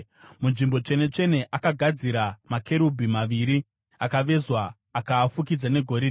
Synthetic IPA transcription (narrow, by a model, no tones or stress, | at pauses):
munʐimbo̞t͡ʂe̞ne̞t͡ʂe̞ne̞ʔakaɡʱad͡ziɾamakʰe̞ɾubʱimaʋiɾi | akaʋe̞zwaː | kaːfukid͡zane̞ɡʱo̞ɾe